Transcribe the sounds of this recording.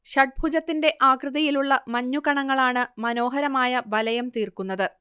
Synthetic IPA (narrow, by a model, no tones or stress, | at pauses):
ɕɐʈ̚bʱud͡ʑɐt̪ːinde̞ʔaːkrɨðɐjiluɭːɐmɐɲːukɐɳɐŋːɐɭaːɳɨmɐno̞ːɦɐɾɐmaːjɐbɐlɐjɐmt̪iːrkunːɐðɨ